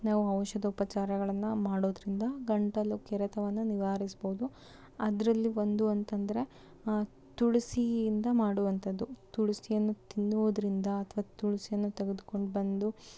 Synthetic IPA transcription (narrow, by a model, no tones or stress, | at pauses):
naːʋuɐwʃɐd̪ɐupɐt͡ʃaːɾɐɡɐɭɐnːumaːɽoːd̪ɾind̪ɐɡɐɳʈɐlːukɛɾɐt̪ʰɐʋɐnːuniʋaːɾisboud̪u | ɐd̪ɐɾɐlːiʋo̞nd̪uɐnt̪ɐnd̪ɐɾe̞ | t̪uɭusiind̪ɐmaːɽuʋɐnt̪ʰɐd̪ːut̪uɭusijɐnːut̪inːoːd̪ɐɾind̪ɐːt̪ʰʋaːt̪uɭusijɐnːut̪eɡed̪uko̞ɳɖbɐnd̪u